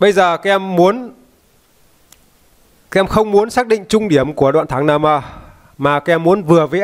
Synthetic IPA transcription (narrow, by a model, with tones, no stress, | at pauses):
ɓə˧jzəː˨˩kaː˨˦˥ʔɛ˧mːu˨˦ən | kaː˦˥ʔɛ˧mxə˧wŋ͡mmu˨˦ənsaː˦˥k̚ɗḭ˧˨ŋ̟t͡ɕʊ˧ŋ͡mɗi˧˩əmku˧˩əɗwa̰ː˧˨nt̪ʰːŋnaː˧˩maː˧˩ | maː˨˩kaː˨˥ʔɛ˧mːu˨˦ənvɨ˨˩əvəː˨˦